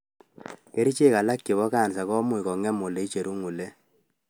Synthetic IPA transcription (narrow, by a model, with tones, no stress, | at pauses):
ke˦ɾi˦t͡ʃe˦˨ka˨la˦kːe˨bɔ˦ka˦˨nsa˨kɔ˦mu˨i˨kɔ˨ŋɛ˦mo˨le˨˦i˦t͡ʃe˨ɾu˦ŋu˨le˦